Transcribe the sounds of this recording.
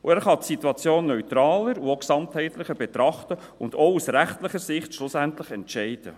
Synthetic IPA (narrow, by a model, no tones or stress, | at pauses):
uæːɾχɑtsit̪uɑt͡sjoːnːœʏt̪ɾɑːləɾuoksɑmthɛɪt̪lɪχəbɛt̪ɾɑχtə | ʊndousɾæχtlɪχəɾsɪχtʃlʊsæntlɪχɛntʃɛɪd̥ə̰